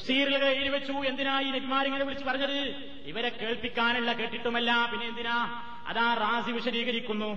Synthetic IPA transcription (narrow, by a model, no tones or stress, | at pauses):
siːɾilɣɐeːɽiʋet͡ɕːuend̪inaːjiːneɡʱimaːɾɐŋːɐɭeʋiɭit͡ɕːupɐrɐɲːɐðɨ | iʋɐɾekːe̞ːɭpikʲːaːnɐɭːɐkeːʈːiʈːumɐlːɐpinːeend̪inaː | ɐ̰ðaːraːsiʋiʂɐɾiːɣɐɾikʲːunːu